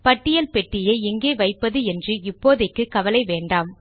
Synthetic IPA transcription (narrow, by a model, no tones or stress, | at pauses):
pɐʈːɪjɐlpɛʈːɪjeɪŋɡeːʋɐɪpːɐðɯɛndrɯɪpːoːðɐkːɯkːɐʋɐlɐɪʋeːɳɖaːm